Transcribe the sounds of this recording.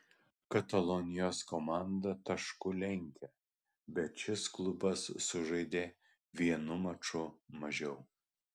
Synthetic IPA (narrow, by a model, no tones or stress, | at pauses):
kɐt̪ɐlˠɔnʲɪjoːskɔmɑˑnd̪ɐt̪ɐʃkʊlʲɛŋʲkʲɛ | bʲɛt̪ʃʲɪsklˠʊbɐsːʊʒɐɪd̪ʲeː | ʋʲiɛnʊmɐt͡ʃʊmɐʒʲɛʊ